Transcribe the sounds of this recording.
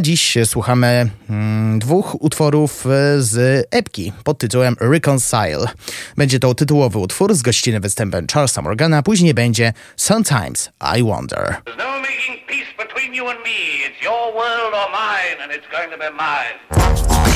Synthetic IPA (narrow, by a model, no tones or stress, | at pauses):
d͡ʑiɕswuxamɘ | d̪vuxut̪fɔɾufzɛpkʲḭpɔt̪̚tːɨt̪uwɛmɾɛkɔnsa̰jlbɛɲd͡ʑɛt̪ɔt̪ɘt̪uwɔvɘut̪fuɾzɡɔɕt͡ɕinɘmvɨst̪ɛmpɛmt͡ʂaɾlsa̰mɔ̰ɾɡanapuʑɲejbɛɲd͡ʑɛ | sãmt̪ʰãjmz̥a̰jwɔ̰̃nd̪ɛ̰ɹəznoʊmeɪkɪ̃ŋpʰisb̥ɨtʰw̥ĩnjɨə̃nmiɪtsjə˞wɜ˞lˠdə˞mãɪ̃nɨ̃nɨtsɡ̥oʊɪ̃ŋtʰɨbimãɪ̃n